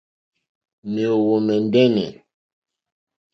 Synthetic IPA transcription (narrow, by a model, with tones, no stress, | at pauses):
me˨o˨wo˨mɛ˨n˦dɛ˦nɛ̰˨